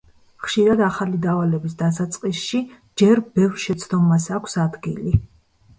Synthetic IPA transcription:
χʃiɾad̪aχalid̪avalɛbisd̪as̬at̪sʼqʼisʃi | d͡ʒɛɾbɛvɾʃɛt̪sʰd̪ɔmasakʷʰsad̪ɡḭli

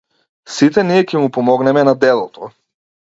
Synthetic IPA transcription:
sit̪ɛniɛcʲɛmupɔmɔɡnɛmɛnad̪ɛlˠɔt̪ɔ

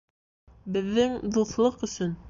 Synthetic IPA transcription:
bɘ̆ðːɘŋd̪uθlˠɤqɵ̆sɵn

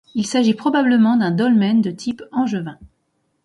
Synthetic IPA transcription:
ilsaʒipχɔbabləmɑ̃d̪ɛ̃d̪ɔlmɛnd̪ət̪ʰipɑ̃ʒəvɛ̃

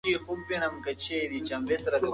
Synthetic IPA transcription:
ixub̚benɐmkɐt͡ɕʰed̪it͡ɕɐmbesɾɐd̪e

